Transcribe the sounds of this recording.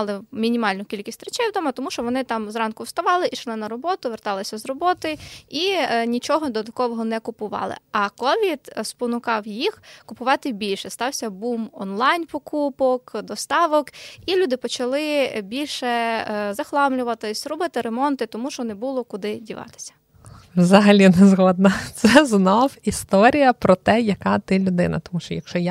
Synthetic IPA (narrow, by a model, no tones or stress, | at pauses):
lˠɪmʲinʲimɑlʲnʊkʲilʲkʲisʲt̪ʲɾet͡ʃejwd̪ɔmɐt̪ɔmuʃt͡ʃɔʋɔnɪt̪ɑmzrɑnkʊwst̪ɐʋɑlˠɪʔiʃlˠɪnɐɾɔbɔt̪ʊʋert̪ɑlˠɪsʲɐzrɔbɔt̪ɪinʲit͡ʃɔɦɔd̪ɔt̪ɐkɔʋɔɦɔnɛkʊpʊʋɑ̰lˠɪ̰ɐkɔʋʲid̪spɔnʊkɑwjixkʊpʊʋɑt̪ɪbʲilʲʃɛst̪ɑwsʲɐbumɔnlˠɑjnpɔkupɔkd̪ɔst̪ɑʋɔkilʲud̪ɪpɔt͡ʃɐlˠɪbʲilʲʃɛzɐxlˠɑmlʲʊʋɐt̪ɪsɾʊbɪt̪ɪɾemɔnt̪ɪt̪ɔmuʃt͡ʃɔnɛbulˠɔkʊd̪ɪdʲiʋɑ̰t̪ɪ̥sʲɐ̥ | wzɐɦɐlʲinɛzɦɔd̪̚nɐt̪sɛznɔwist̪ɔɾʲijɐpɾɔt̪ɛjɐkɑt̪ɪlʲʊd̪ɪ̰nɐ̰t̪ɔmuʃt͡ʃɔjɐkʃt͡ʃɔja